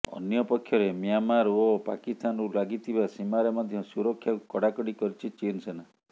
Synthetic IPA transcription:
ɔ̰njɔpɔkʰːjɔɾemijanmaɾopa̰kist̪ʰanɔɾulaɡit̪ʰibasimaɾemɔd̪ʱjɔsuɾɔkʰːjakkɔɽakɔɽikɔɾit͡ʃʰit͡ʃinsena

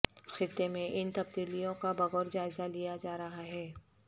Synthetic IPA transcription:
xɪt̪ːemẽʔɪnt̪ɐb̚d̪iːlijõkabɐɣɔːɾd͡ʒaːɪzalijad͡ʒaːɾɐɦaɦɛː

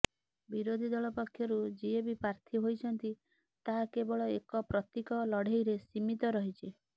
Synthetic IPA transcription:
biɾod̪ʱid̪ɔɭɔpakʰːjɔɾud͡ʒiebipaɾt̪ʰiɦojt͡ʃʰɔnt̪i | t̪aɦakebɔɭɔḛkɔpɾɔt̪jikɔlɔɽ̤ʱejɾesimit̪ɔɾɔɦit͡ʃʰi

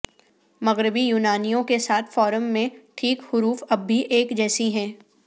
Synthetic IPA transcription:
mɐɣɾɪbijuːnaːnijõkesaːt̪ʰfɔːɾəmːẽʈʰiːkhʊɾuːfɐbːiʔeːkd͡ʒɛːsiɦɛ̃ː

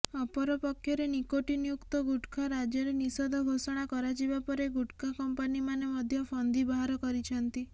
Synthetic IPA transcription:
ɔpɔɾɔpɔkʰjɔɾenikoʈinijukt̪ɔɡuʈkʰaɾad͡ʒɔɾenisɔd̪ʱɔɡʱosɔɽ̃akɔɾat͡ʃibapɔɾeɡuʈkʰakɔmpanimanemɔd̪ʱjɔpʰɔnd̪ibaɦaɾɔkɔɾit͡ʃʰɔnt̪i

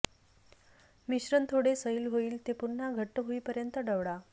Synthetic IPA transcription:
miɕɾənt̪ʰoɽesəiːlɦoiːlt̪epun̤ːaɡʱəʈːəɦoiːpəɾjənt̪əɖəʋɽa

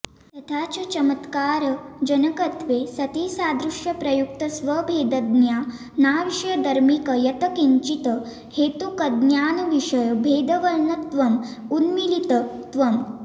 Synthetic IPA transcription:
t̪ɐt̪ʰaːt͡ʃɐt͡ʃɐmət̪kaːɾɐd͡ʒɐnɐkɐt̪ʋeːsɐt̪iːsaːd̪ɾuʂjɐpɾɐjuk̚t̪ɐsʋɐbʱeːd̪ɐd̪njaː | naːʋiʂjɐd̪ʱɐɾmikɐjɐt̪ɐkiɲt͡ʃit̪ə | heːt̪ukɐd̪njaːnɐʋiʂɐjɐbʱeːd̪ɐʋɐɾɳɐt̪ʋɐmunmilit̪ɐt̪ʋɐm

